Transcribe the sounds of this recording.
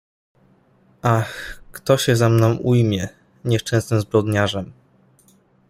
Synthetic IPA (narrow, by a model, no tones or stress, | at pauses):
ʔaxkt̪ɔɕɛzamnɔ̃w̃ʔujmʲjɛ | ɲɛʂt͡ʂɛ̃ñsnɘmzbɾɔd̪ɲaʐɛm